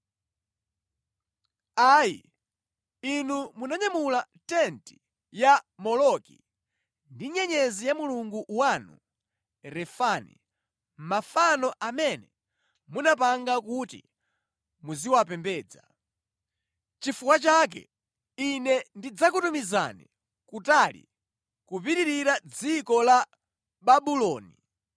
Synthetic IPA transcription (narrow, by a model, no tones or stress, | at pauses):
aːjḭ | inumunaɲamula | tɛnti̥ | jamɔlɔkḭ | ndiɲɛɲɛzijamuluŋɡuʔwanṵ | ɾɛfanḭ | m̩mafanɔʔamɛnɛ | munap̬aŋɡakutḭ | muziwapɛmbɛːd͡za | t͡ʃifukwat͡ʃak̬ɛ̰ | inɛndid͡zakutumiza̰nḭ | kutalḭ | kupiɾiɾiɾad͡zikɔla | ɓaɓulɔːni